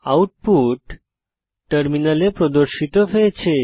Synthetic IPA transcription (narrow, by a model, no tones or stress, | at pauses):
auʈ̚puʈː | əɾminalepɾɔd̪əɾʃit̪ɔfet͡ɕʰe